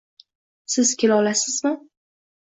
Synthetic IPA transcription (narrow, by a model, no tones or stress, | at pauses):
sɪzkʲelɒlasɪz̥mɪ